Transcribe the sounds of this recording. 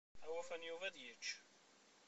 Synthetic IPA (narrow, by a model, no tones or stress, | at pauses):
æwæfænjuvæðjət͡ʃː